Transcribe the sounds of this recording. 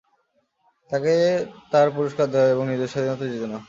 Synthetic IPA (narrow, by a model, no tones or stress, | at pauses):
t̪aket̪aɾpuɾiʃkaɾd̪eaeeboŋnid̪eʃad̪ʱinɔt̪ad͡ʑit̪ona